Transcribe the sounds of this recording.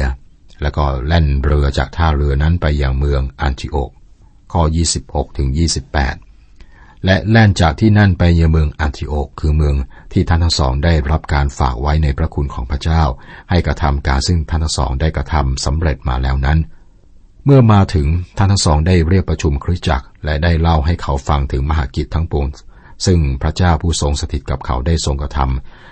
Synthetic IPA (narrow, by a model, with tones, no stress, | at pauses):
lɛː˦˥wkɔː˥˩lɛ˥˩nɾɯ˧ɐt͡ɕa̰ː˨˩k̚t̪ʰaː˥˩ɾɯ˧əna˦˥npa˧jːaː˧ŋmɯ˧əŋʔa˧nt̪ʰi˧ʔo̰ː˨˩k̚ | kʰːɔː˥˩jiː˥˩si˨˩p̚ho˨˩k̚t̪ʰɯ˩˦ŋjiː˥˩si˨˩pːɛ̰ː˨˩t̪̚ | lɛ˦˥ʔlɛ˥˩nt͡ɕaː˨˩k̚t̪ʰiː˥˩na˥˩npa˧jnɯ˧jmɯ˧əŋʔaː˧nt̪ʰi˧ʔoː˨˩kʰːɯː˧mɯ˧əŋt̪ʰiː˥˩t̪ʰa˥˩nt̪ʰa˥ŋsɔ̰ː˩˦ŋdaː˥˩jɾa˦˥p̚kaː˧nfa̰ː˨˩k̚wa˦˥jna˧jpʰɾa˦˥kʰu˧nkʰɔː˩˦ŋpʰɾa˥t͡ɕaː˥˩wha˥˩jkɾa˧t̪ʰa˧mkaː˧nsɯ˥˩ŋt̪ʰa˥˩nt̪ʰa˥ŋsɔ̰ː˩˦ŋdaː˥˩jkɾa˧t̪ʰa˧msa˩˦mɾe˨˩t̪̚ma̰ː˧lɛː˦˥wna˦˥n | mɯ˥˩ɐmaː˧t̪ʰɯ˩˦ŋt̪ʰa˥˩nt̪ʰa˥ŋsɔː˩˦ŋdaː˥˩jɾi˥˩ək̚pɾa˧t͡ɕʰu˧mkʰɾi˦˥t͡ɕa̰˨˩k̚lɛ˦˥daː˥˩jla˥˩wɦa˥˩jkʰa˦˥wfa˧ŋt̪ʰɯ˩˦ŋma˧ɦaː˨˦ki˨˩t̪ʰːa˦˥ŋpu˨˩əŋ | sɯ˥˩ŋpʰɾa˦˥t͡ɕaː˥˩wpʰuː˥˩so˧ŋsa˧t̪ʰi˨˩t̪̚ka˨˩p̚kʰa̰˩˦wdaː˥˩jso˧ŋkɾa˧t̪ʰa̰˧m